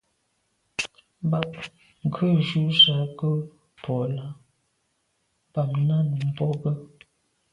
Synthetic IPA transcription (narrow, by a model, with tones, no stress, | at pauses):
ba˨p | ŋ̩˨kʰə˦˨d͡ʒu˦sa˨˦kə˦ | pɔ˨la˨˦ | b̥a˨mna˦nu˨m̩˦bɔ˦ɡə˦